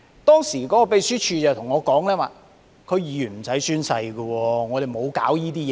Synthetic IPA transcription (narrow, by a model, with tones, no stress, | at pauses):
t̪ɔː˥ŋsiː˨˩kɔː˨˥kɔː˧pe˨˧jsyː˥t͡ʃʰyː˧t͡sɐ˨wt̪ʰʊ˨˩ŋɔː˨˧kɔː˨˥ŋlɛː˥waː˨˧ | kʰɵ˨˧ɥjiː˨˩jyː˨˩nm̩˨˩sɐ˨˥jsyː˥nsɐ˧jɡə˧wɔː˧ŋɔː˨˧ɾe˨jmo˨˧wkaː˨˥wjiː˥t̪iː˥jɛː˨